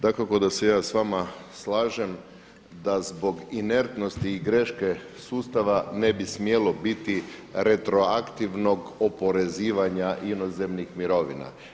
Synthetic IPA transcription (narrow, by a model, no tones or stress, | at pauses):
d̪akakod̪asejaːsʋamaslaːʒem | d̪azbo̞ɡine̞ɾt̪no̞st̪iːɡɾeʃke | suːst̪aʋanebismjelo̞bit̪iɾe̞t̪ɾo̞akt̪iʋno̞ɡopo̞ɾe̞ziːʋaɲaʔinoze̞mnixmiɾo̞ʋḭna̰